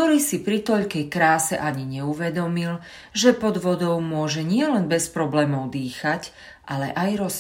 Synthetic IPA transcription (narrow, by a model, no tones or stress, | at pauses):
t̪ɔɾiːsipɾit̪ɔʎkɛjkɾaːsɛ̰ʔaɲiɲɛuʋɛd̪ɔmil | ʒɛpɔd̪ʋɔd̪ɔʊmʊɔʒɛɲɪɛlɛnbɛspɾɔblɛːmɔʊd̪iːxac | ʔalɛ̰ʔajɾɔs